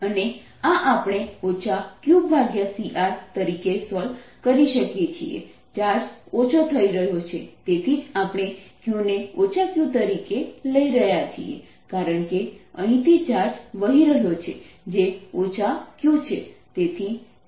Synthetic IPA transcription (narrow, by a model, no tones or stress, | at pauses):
əne | aʔapɳ̃eot͡ʃʰakjũbʱaɡjasiʔaɾt̪əɾikesɔlkəɾiʃəkjet͡ʃʰḭḛ | t͡ʃaɾsot͡ʃʰot̪ʰəiɾəɦjot͡ʃʰet̪et̪ʰid͡ʒapɽ̃ekjũneot͡ʃʰakjũt̪əɾikeləiɾəɦjat͡ʃʰḭḛ | kaɾəɳkeəɦĩt̪ʰit͡ʃaɾsʋəɦiɾəɦjot͡ʃʰḛd͡ʒeot͡ʃʰakjũt͡ʃʰet̪et̪ʰi